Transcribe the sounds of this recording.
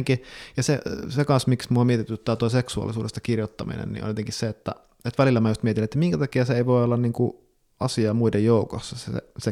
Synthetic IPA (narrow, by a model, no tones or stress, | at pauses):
ŋkijɑsesekɑnsmiksmuomiet̪it̪ːyot̪ːˑɑːt̪uoˑiseksuɑ̰lːˑisuːdʔest̪ɑ̥kirjot̪ːɑmḭnḛnnḭʔo̰nʲjot̪eŋkisseet̪ːæ̰ | et̪ʋælilːæmæjust̪miet̪inːet̪ːæmiŋkæt̪ɑkiɑseeiʋoˑiolːɑnniːŋku | ɑsiɑmuidejjoˑuko̰sːɑsḛse